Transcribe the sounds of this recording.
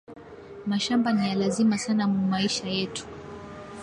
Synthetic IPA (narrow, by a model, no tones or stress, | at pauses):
maʃambanijalazimasanamumaiʃajɛtu̥